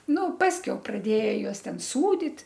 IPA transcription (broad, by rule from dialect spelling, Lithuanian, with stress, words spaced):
ˈnʊ ˈpɑːsʲkʲɛʊ prɐˈdʲeːjɛ ˈjuɔs ˈtʲɛn ˈsuːdʲɪt